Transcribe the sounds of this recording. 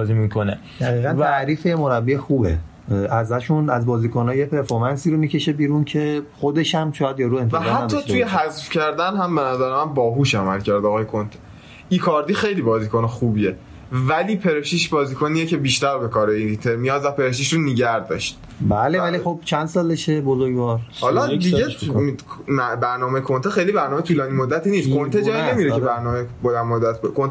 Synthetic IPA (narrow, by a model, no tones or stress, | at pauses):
bzimikʰone | d̪̥æɣiːɣænʰæɾiːfejemo̞ɾæbːiexuːbe̞̰ | æzæʃunæzbɒːziːkonɒːjepeɾfoɾmænsiːɾomiːce̞ʃebiːɾuncʰe̞xod̪e̞ʃæmʃɒːjæd̪jɒːɾue̞nvæhææmːɒːt̪ujeɦæzfcʰæɾd̪ænhæmbenæzæɾemænbɒːɦuːʃæmælcʰæɾd̪ɒːɣɒːjekʰont̪ʰe̥ | ikʰɒːɾd̪iːxejliːbɒːziːkʰonexuːbie | væliːpʰe̞ɾeʃiʃbɒːziːkʰoniːjecʰe̞biːʃt̪æɾbe̞kʰɒːɾeiɾit̪ʰemijɒːd̪væpe̞ɾeʃ̬iʃɾoniɟæɾd̪ɒ̰ʃt̪̚ | bælevælixob̚t͡ʃʰænd̪sɒːleʃebozoɾɡvɒɾhɒːlɒd̪iɟe | mæbæɾnɒːmekʰo̞nt̪exejlibæɾnɒːmet̪uːlɒːniːmod̪ːæt̪ʰiːniːst̪̚kʰont̪ʰed͡ʒɒːjine̞miɾekʰebæɾnɒːmejebod̪ænmod̪ːæt̪̚ʰbekʰont̪e